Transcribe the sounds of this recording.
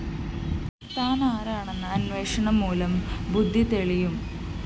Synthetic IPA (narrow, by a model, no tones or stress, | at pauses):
t̪aːnaːɾaːɳe̞nːɐːnʋe̞ːʂɐɳɐmːuːlɐmbud̪ʱːit̪eɭijum